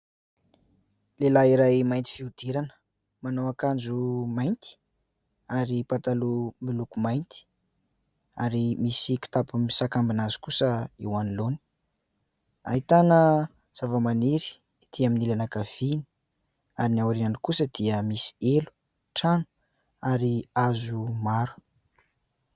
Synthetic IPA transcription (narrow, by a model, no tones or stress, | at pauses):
lelaiɾajmajnt̪i̥fiud̪̥eɾanə̥ | manoakand͡ʒumajnt̪i̥ | aɾipat̪alumilukumajnt̪i̥ | aɾimisiki̥t̪apumisakambinazu̥kusəḭwaniloni̥ | a̰ɦit̪anə | z̥avəmaniɾi̥ | t̪ʰiaminilanakav̥ini̥ | aɾinawaɾinanikusəd̪iəmisi̥elu̥ | ʈ͡ʂanu̥ | aɾiazumaɾu̥